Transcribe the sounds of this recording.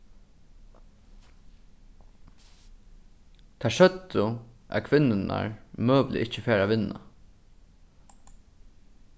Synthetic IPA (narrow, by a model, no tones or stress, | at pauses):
t̪ʰaʃœt̪ʊʔæ̰ðkʰʋɪnːɪna̰ɹmøːʋlɪ̰ɪcəfeːɾaʋɪnːa̰